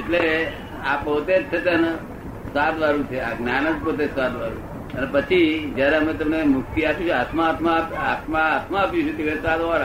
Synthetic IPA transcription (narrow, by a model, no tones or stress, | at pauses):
eʈle | apot̪esʰet̪ən | sad̪ʋaɾũt͡ʃʰeaɡnanəd͡ʒpot̪esad̪ʋaɾṵ | ənepət͡ʃʰid͡ʒjaɾeəmet̪əmnemʊk̚t̪iapjũt͡ʃʰat̪ʰmaːt̪ʰmapat̪ʰmaːt̪ʰmaːpjũt͡ʃʰũt̪ikʰəsad̪aɾ